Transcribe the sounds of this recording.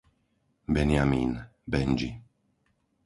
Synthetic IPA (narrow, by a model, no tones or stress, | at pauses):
bɛnɪjamiːnbɛnd͡ʒḭ